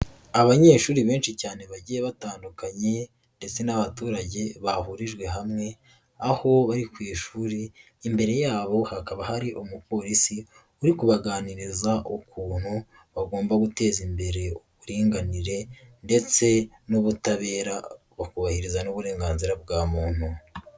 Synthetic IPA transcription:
aβaɲe̞ːʃuːɾiβeːnʃicaːne̞βaɟijeβataːndukaɲe̞ | nde̞t͡se̞naβatuːɾaɟe̞βaɦuɾiʒɡwe̞ɦamŋe̞ | aho̞βaɾikwiːʃuːɾiː | mbe̞ɾe̞jaːβo̞hakaβahaɾiʔomupo̞ɾisi | uɾikuβaɡaːniɾizaʔokuːn̥hu | βaɡo̞ːmbaɡute̞ːzimbe̞ɾe̞oβuɾiːŋɡaniɾe̞nde̞t͡se̞ | noβutaβe̞ːɾa | βakuβahiɾizanoβuɾe̞ːŋɡaːnziɾabɡaːmuːn̥u

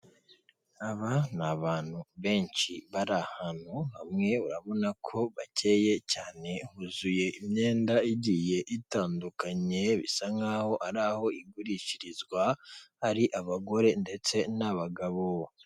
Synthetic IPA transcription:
aβanaβaːn̥huβe̞ːnt͡ʃiβaɾahan̥huhamŋe̞uɾaβo̞nakʰo̞βace̞ːje̞caːne̞huzuje̞ʔimɲe̞ːndaiɟije̞ʔitaːndukaɲe̞βḭsaŋɡaho̞ʔaɾaho̞iɡuɾiciɾizɡwaːɾiʔaβaɡo̞ɾe̞nde̞t͡se̞naβaɡaβo

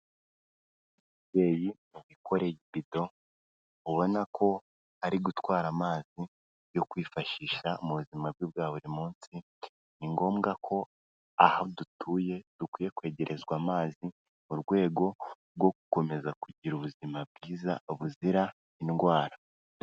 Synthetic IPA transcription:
ibje̞jimuβikʰo̞ɾe̞jiβido̞ | uβo̞nakʰo̞ | haɾiɡutwaːɾamaːzi | jo̞kwiːfaʃiːʃamuβuzimab̚juːβbɡaːβuɾimuːnsi | niŋɡo̞ːmɡakʰo̞ | ahadutʰuːje̞d̥ukwiːje̞kwe̞ːɟe̞ɾʔe̞zɡwaːmaːzi | muɾɡwe̞ːɡo̞ | ɾɡwo̞ku̥ko̞me̞zakuɟiɾuβuzimab̚ɡiːzaoβuziɾa | inɡwaːɾa

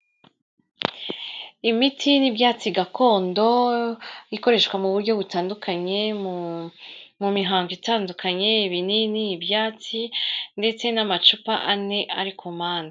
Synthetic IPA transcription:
imitʰinibjaːt͡siɡakʰo̞ːndo̞ | iko̞ɾe̞ʃkwamuβuɾɟo̞βutaːndukʰaɲe̞m | mumiɦaːŋɡitaːndukʰaɲe̞iβininiːbjaːt͡sinde̞t͡se̞namat͡ʃupa̰ʔane̞ʔaɾikʰomaːna

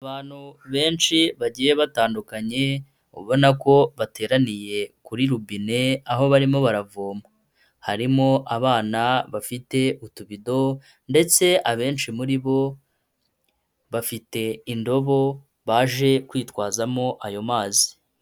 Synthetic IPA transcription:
aβaːn̥huβe̞ːnʃiβaɟiːje̞βataːndukaɲe̞ | ṵβo̞nako̞βate̞ːɾanije̞kuɾiɾubine̞aɦo̞βaɾimo̞βaɾavoːma | haɾimo̞ʔaβaːnaβafite̞ʔutuβido̞ | nde̞t͡se̞ʔaβe̞ːnʃimuɾiβo̞ | βafite̞indo̞βo̞ | βaːʒe̞kwiːtkwaːzamo̞ʔajo̞maːzi̥

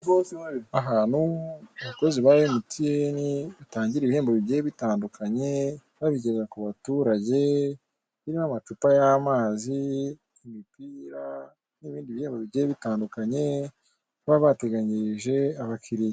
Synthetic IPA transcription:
ɡosaaɦaːn̥huaβako̞ziβaβemutijeniβitaːɲɟiɾeβihe̞ːmboβibɟejeβitaːndukʰaɲe̞ | βaβiɟezakuβatuːɾaɟe̞ | βiɾimamat͡ʃupajamaːzi | imipiːɾa | niβiːndiβihe̞ːmboβiβɟejeβitaːndukaɲe̞ | βaβate̞ɡaɲiɾiʒe̞aβakiɾij

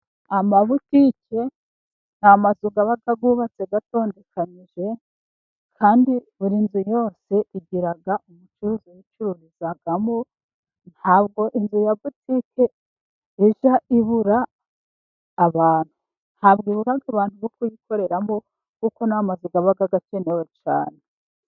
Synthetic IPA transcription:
amaβutike̞ | n̥hamazuɡaβaɡaɡuβat͡se̞ɡato̞ːnde̞kʰaniʒe̞ | kʰaːndiβuɾinzujo̞ːse̞ʔiɡiɾaɡaʔumut͡ʃuɾuːzijit͡ʃuɾuɾiz̥aɡamo | nhaːbɡo̞ʔinzujabutikʰe | iʒaiβuɾa | βaːn̥hu | n̥haːbɡiβuɾaɡaβaːn̥huβokujiko̞ɾe̞ɾamo | kuko̞namazuɡaβaɡaɡat͡ʃe̞newe̞t͡ʃa̰ːne

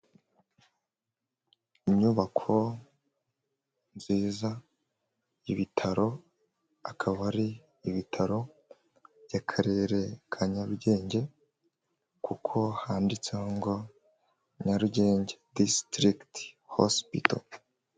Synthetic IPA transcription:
iɲɲuβakʰo̞ | nziːza | iβitʰaɾo̞ | akʰaβaɾiː | βitʰaɾo̞ | jakʰaɾeɾe̞kʰaɲaɾuɟe̞ːɲɟe̞ | kʰukʰo̞haːndit͡seŋɡo̞ | ɲaɾuɟe̞ːɲɟe̞distɾiktho̰spḭto̰

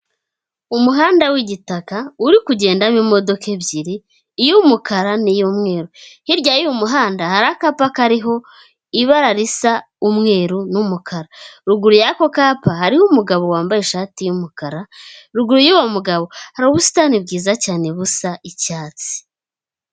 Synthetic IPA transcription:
umuɦaːndawiɟitakauɾikuɟe̞ːndamimo̞do̞ke̞bɟiɾiː | jumukaɾanijomŋe̞ːɾuhiɾɟaːjijumuɦaːndahaɾakapakaɾiɦo̞ | iβaɾaɾisa | umŋe̞ːɾunumukʰaɾaɾuɡuɾujako̞kapahaɾihumuɡaβo̞waːmbaje̞ʃaːtijumukaɾaɾuɡuɾujuːwomuɡaβo̞haɾauβusi̥taːnib̚ɡiːzacaːne̞βusaʔicaːt͡si̥

